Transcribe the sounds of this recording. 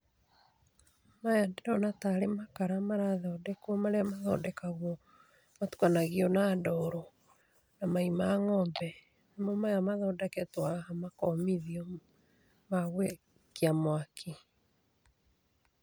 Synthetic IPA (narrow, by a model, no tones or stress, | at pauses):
majadeɾɔnataɾemakaɾamaɾaðɔːdɛkuɔmaɾeamaðɔ̰dɛkaɣwɔ | matu̥kanaɣiɔnandɔɾɔ | namaimaːŋɔbɛ | nemɔmajamaðɔːdɛkɛtwahamakɔmiðiɔ | maɣwe | kiamwakʰi